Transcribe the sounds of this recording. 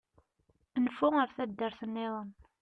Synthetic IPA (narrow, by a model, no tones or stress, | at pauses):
nfʊəɾθæd̪ːəɾθənːɪðˤən